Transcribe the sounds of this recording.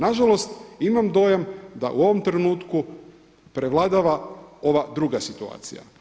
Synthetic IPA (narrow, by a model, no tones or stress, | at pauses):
naʒalo̞st̪imamd̪o̞ːjamd̪a̰ʔuo̞ʋo̞mt̪ɾenuːt̪ku | pɾeʋlˠad̪aʋao̞ʋad̪ɾuɡasit̪ua̰ːt̪sḭja̰